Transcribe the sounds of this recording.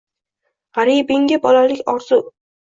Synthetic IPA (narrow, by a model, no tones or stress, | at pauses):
ʁaɾijbɪŋɡʲabɒlalɪkʲɒɾz̥ʊ